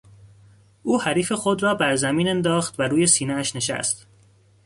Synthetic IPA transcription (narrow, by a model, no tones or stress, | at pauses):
ʔuːhæɾiːfe̞xod̪rɒːbæɾzæmiːne̞nd̪ɒːxt̪væɾuːje̞siːneæʃne̞ʃæ̰st̪